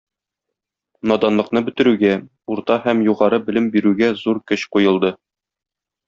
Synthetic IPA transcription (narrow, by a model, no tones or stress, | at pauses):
nɒd̪ɑnlˠɤ̆qnɤbɵ̆t̪ɘ̆ɾʉɡæ | uɾt̪ɑhæmjuʁɑɾɤbɘ̆lɘmbiɾʉɡæzuɾkɵɕqujɤ̆lˠd̪ɤ